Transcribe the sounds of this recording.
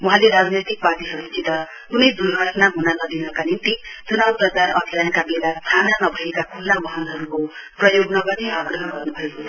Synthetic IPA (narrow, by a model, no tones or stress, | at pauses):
wuɦãleɾad͡znʌjt̪ik̚bad̪iɦʌɾut͡sĩt̪ʌ | kunʌjd̪urɡʱʌʈnaɦunanʌd̪inʌkanint̪id͡zunʌprʌkaɾʌ̰d̪ʱiɾankabelat̪ʰananʌbʱʌjekakʰulːamʌɦʌnɦʌɾuko | prʌjoɡnʌɡʌt̪iaɡrʌɦʌɡʌrnubʱʌjko